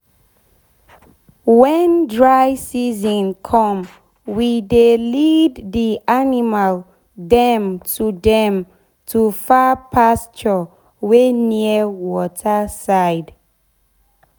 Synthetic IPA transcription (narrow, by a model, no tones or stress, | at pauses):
wɛ̃ndɹaɪsizɔ̃nkʰɔ̃m | widelidðiʔanimal | dɛ̃mtʰudɛ̃m | tʰufapʰast͡ʃɔ | weniəwɔtʰəsaɪd